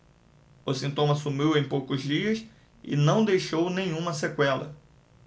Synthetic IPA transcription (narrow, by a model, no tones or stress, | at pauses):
ʊsĩnt̪õmɐsumiwẽj̃powkʊzd͡ʒiɐs | ɪ̰nɐ̃w̃d̪ejʃownẽj̃ũmɐsekwɛlɐ̰